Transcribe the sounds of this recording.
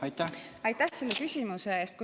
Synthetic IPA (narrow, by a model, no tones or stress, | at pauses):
ɑjt̪ːæɑjt̪ːˑæhse̞lːekysʲimuse̞eːst̪̚ku